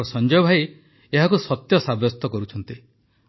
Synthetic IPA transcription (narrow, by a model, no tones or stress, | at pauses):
ɔsɔnd͡ʒɔjɔbʱaj | eɦakusɔt̪jɔsabɔst̪ɔkɔɾut͡ʃʰɔnt̪i